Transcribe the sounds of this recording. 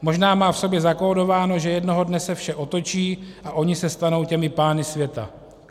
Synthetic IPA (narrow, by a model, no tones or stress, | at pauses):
mo̞ʒnaːmaːfso̞bjɛzako̞ːdo̞vaːno̞ʒɛjɛdno̞ɦo̞dnɛsɛfʃɛʔo̞t̪o̞t͡ʃiːʔaʔo̞ɲɪsɛst̪ano̞wcɛmɪpaːnɪsvjɛt̪a̰